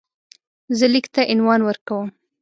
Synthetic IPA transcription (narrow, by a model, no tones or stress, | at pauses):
zəlikt̪aʔɪnwɑnwəɾkawəm